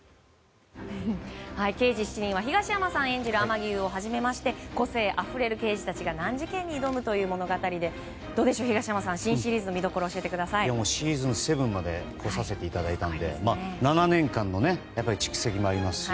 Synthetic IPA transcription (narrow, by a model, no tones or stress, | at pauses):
haike̞ːd͡ʑiɕi̥t͡ɕiɲ̟ĩɰ̃βaçiɡaɕiamasãɰ̃ẽ̞ɲ̟d͡ʑiɾɯ̟amaɡʲiɯ̟ːo̞ɦaʑime̞maɕi̥t̪e̞ko̞se̞ːʔaɸɯ̟ɾe̞ɾɯ̟ke̞ːʑit̪at͡ɕiɡanãɲ̟d͡ʑikẽ̞ɲ̟ːiːd̪o̞mɯ̟t̪o̞jɯ̟ːmo̞no̞ɡat̪aɾʲid̪e̞ | d̪̥o̞ːd̪e̞ɕo̞ːçiɡaɕiamasãɰ̃ɕĩɰ̃ɕiɾʲiːzɨno̞mʲid̪o̞ko̞ɾo̞ːɕie̞t̪e̞kɯ̟d̪asaiamoːɕiɾʲiːzɨ̃nse̞bɯ̟̃mmːad̪e̞̰kʰo̞sase̞t̪e̞it̪ad̪ait̪ãnd̪e̞̰maːnananẽ̞ŋkãnːo̞ne̞japːaɾʲit͡ɕi̥ki̥se̞kʲimoaɾʲimasɨ̥